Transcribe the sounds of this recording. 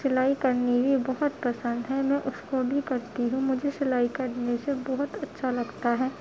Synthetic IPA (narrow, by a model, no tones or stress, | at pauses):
sɪlaːikɐɾnibʱibɐɦʊt̪̚pɐsə̃nd̪ɦɛmɛ̃ːʔʊskobʱikɐɾt̪iɦũmʊd͡ʒʱesɪlaːikɐɾnesebɔɦʊt̪ɐtːʃʰalɐɡt̪aɦɛː